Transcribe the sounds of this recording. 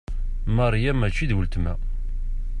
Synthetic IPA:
mɑrˤjæmæt͡ʃːiðwəlt̪mæ

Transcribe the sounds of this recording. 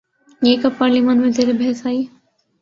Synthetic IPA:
eːkɐpːaɾlimanmẽd̪ʱeɾebʱeːsaːi

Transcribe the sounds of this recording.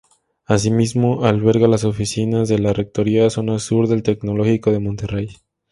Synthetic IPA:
as̬imizmo̞ʔalβe̞ɾɣalaso̞fisinazðe̞lare̞k̚t̪o̞ɾiaso̞nasuɾðelt̪e̞kno̞lo̞xiko̞ðe̞mõ̞nt̪e̞rej

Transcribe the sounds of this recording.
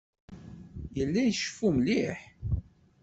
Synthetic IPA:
jəlːæjʃə̥fumliħ

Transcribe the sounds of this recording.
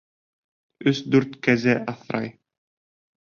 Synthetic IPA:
ɵsd̪ʉɾt̪kæzɘʔɑθɾɑ̰j

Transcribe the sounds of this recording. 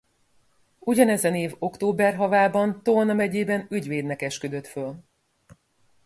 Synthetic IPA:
uɟɒnɛzɛneːvo̞kt̪oːbɛrɦɒvaːbɒnt̪onɒmɛɟeːbɛnyɟveːd̪nɛkɛʃkød̪ø̞t̪føl

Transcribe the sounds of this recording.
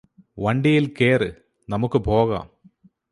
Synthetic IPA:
ʋɐɳɖijilke̞ːrɨ | nɐmukːɨbʱo̞ːɣa̰ːm

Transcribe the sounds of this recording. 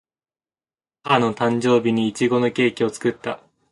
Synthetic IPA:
hano̞t̪ãɲ̟d͡ʑo̞ːbʲiɲ̟iːt͡ɕiɡo̞no̞kʲe̞ːkʲio̞t͡sɨ̥kɯ̟t̪ːa

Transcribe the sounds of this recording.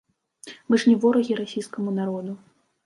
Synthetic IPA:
mɨʂnʲivɔɾɐɣʲiɾasʲijskɐmunaɾɔd̪u

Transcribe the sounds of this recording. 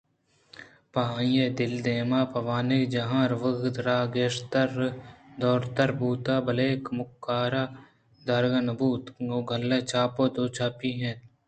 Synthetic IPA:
paːĩjeːd̪ɪld̪eːmaːpɐʋaːnekd͡ʒɐɦãːɾʋəɡd̪ɾaːɡeːʃt̪əɾd̪ɔːɾt̪əɾbuːt̪aːbɐleːkmʊkːaːɾaː | d̪aɾɡɐnɐbuːt̪oɡʱɐlːeːt͡ʃʰaːpoːd̪oːt͡ʃʰaːpiːɦẽː

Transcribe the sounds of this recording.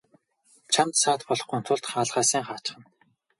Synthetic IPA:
t͡ɕʰamt̪saːt̪pɔɮɞ̆χɡŭnt̪ʰʊɮt̪χaːɮʁaːsiːŋχaːt͡ɕ̆χə̆n

